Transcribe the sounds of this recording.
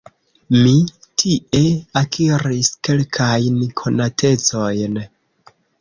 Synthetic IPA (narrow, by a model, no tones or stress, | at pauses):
mitʰiʔe̞akʰiɾiske̞lkʰajnkʰo̞natʰe̞t͡so̞jn